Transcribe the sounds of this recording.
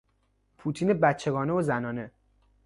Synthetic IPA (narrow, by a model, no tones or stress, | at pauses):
pʰuːt̪ʰiːnebæt̪t͡ʃʰːe̞ɡɒːneozænɒːne̞